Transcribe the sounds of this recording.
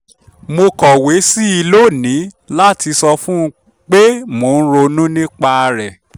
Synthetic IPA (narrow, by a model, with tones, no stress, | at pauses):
mo˧kɔ˨we˨˦si˦i˧lo˦˨nĩ˨˦ | la˦˨ti˧sɔ˧fũ˦˧ | k͡pe˦mo˨˦˧ñ̩˦ɾo˧nũ˦nĩ˦k͡pa˧ɾɛ˨